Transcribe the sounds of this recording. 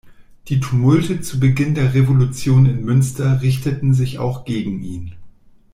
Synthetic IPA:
d̥iːtʰumʊltət͡subəɡɪndeːɐʁevolut͡sjoːnɪnmʏnstɐʁɪçtətn̩zɪça̰ʊxɡ̥eːɡŋ̩ʔiːn

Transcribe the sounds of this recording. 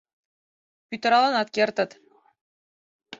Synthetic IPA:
pʲyt̪ɤ̆ɾɑlˠɑnɑt̪̚kʲert̪ɤ̆t̪

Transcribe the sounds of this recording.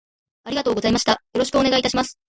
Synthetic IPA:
aɾiɡat̪oːɡo̞zaimaɕi̥t̪ajo̞ɾo̞ɕ̬i̥kɯ̟o̞ne̞ɡait̪aɕimasɨ̥

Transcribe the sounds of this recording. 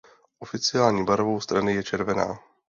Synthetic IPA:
ʔofɪt͡sɪjaːlɲiːbaɾvowst̪ɾanɪjɛt͡ʃɛɾvɛna̰ː

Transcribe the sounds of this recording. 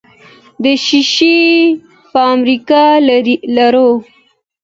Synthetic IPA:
d̪əʃiʃi | pəamɾikɑlaɾo

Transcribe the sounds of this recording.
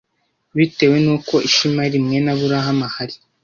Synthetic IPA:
βite̞we̞nuːko̞ʔiʃimaɾimŋe̞naβuɾaɦamahaɾi

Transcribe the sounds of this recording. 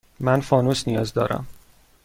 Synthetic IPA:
mænfɒːnuːsnijɒːzd̪ɒ̰ːɾæ̰m

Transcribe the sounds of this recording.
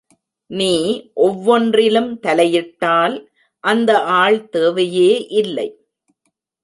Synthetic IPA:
niːʔɔʋːɔndrɪlɯmt̪ɐlɐjɪʈːaːl | ʔɐnd̪ɐʔaːɭt̪eːʋɐjeːʔɪlːɐ̰ɪ

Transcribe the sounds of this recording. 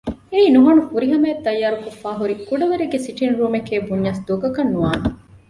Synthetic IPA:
eiːnuɦɐnufuɾiɦɐmeːt̪ːɐjːaːɾukofːaːɦuɾikuɖɐʋeɾeɡesiʈinɾuːmekeːbuɲːɐsd̪oɡɐkɐnːuʋaːne

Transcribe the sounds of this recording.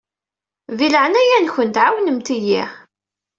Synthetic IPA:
ðiləʕnæjænçənt̪ʕawnəmt̪iji

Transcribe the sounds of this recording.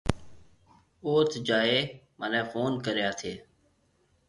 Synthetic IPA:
oːt̪ʰd͡ʒaːeːmənẽːfoːnkəɾɪjaːt̪ʰeː

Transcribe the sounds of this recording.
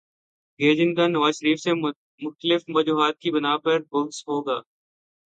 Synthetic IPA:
ɡeːd͡ʒɪ̃ŋk̪anɐʋaːzʃəɾiːfse | mʊxt̪əlɪfʋɐd͡ʒuːɦaːt̪̚kibɐnaːpɐɾbʊlsɦoːɡaː

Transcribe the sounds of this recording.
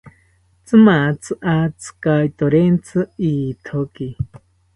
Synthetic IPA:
t͡sɨmat͡sʰɨʔat͡sʰɨ̥kajt̪oɾent͡sʰɨiːt̪ʰoki

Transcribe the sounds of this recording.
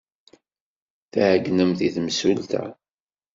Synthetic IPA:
θæhəɡːnəmθiθməsult̪æ̰

